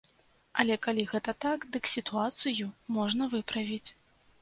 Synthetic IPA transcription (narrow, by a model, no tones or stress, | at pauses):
ɐlʲɛkalʲiɣɛt̪ɐt̪akd̪ɨksʲit̪uat̪sɨjumɔʐnɐvɨpɾɐvʲit͡sʲ